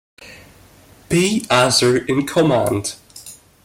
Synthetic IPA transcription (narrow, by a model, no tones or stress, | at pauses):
b̥iːazə˞ɪ̃nkʰɔmã̰nd̥